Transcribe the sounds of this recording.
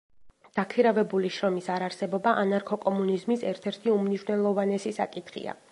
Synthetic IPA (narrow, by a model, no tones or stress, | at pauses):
d̪̥akʰiɾavɛbuliʃɾɔmisaɾaɾsɛbɔbaʔanaɾkʰɔkʼɔmunizmisɛɾt̪ʰɛɾt̪ʰiumniʃwnɛlˠɔvanɛsisa̰kʼit̪ʰχḭa̰